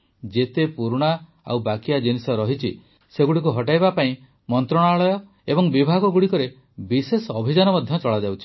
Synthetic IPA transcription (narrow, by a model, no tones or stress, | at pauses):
d͡ʒet̪epuɾɽ̃a | a̰wbakiad͡ʒinisɔɾɔɦit͡ʃʰḭ | seɡuɽik̬uɦɔʈajbapaĩ | mɔnt̪ɾɔɽ̃aɭɔjɔ | ebɔŋbibʱaɡɔɡuɽikɔɾe | bisesɔɔbʱid͡ʒanɔmɔd̪ʱjɔt͡ʃɔɭad͡ʒawt͡ʃʰi̥